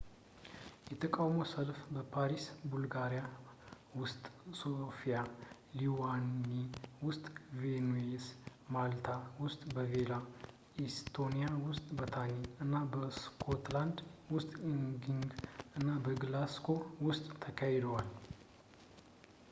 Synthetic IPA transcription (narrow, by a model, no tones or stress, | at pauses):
jɛt̪ʰəkʼawmowsəlfbəpʰaɾisbulɡaɾija | wʊst̪ʼsofija | liwanːiwʊst̪ʼvenuesmalt̪ʰawʊst̪ʼbəvela | est̪ʰonijawʊst̪ʼbət̪ʰaniɨnːabəskʰot̪land̪wʊst̪ʼiŋɡiŋɡɨnːabəɡlaskʰo̞wʊst̪ʼt̪ʰːəkʰajɛd̪əwal